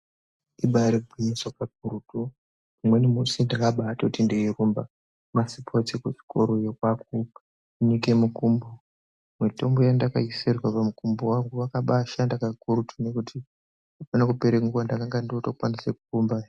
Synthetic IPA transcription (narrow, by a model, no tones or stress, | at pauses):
iɓaɾiɡʱiɲiswakaɡ̚ʱuɾutu | umwenimusindakaɓaːtoutindeirumba | masipʰot͡sikuʐi̥ko̰ɾojokwaku | unikemukumbo | mwitombojandakaiserwapamukumbowaŋɡuʋakaɓaʃandakaɡuɾutʰunekutʰi | upanakupeɾeŋɡuwandakaŋɡandiotokwanisekukumba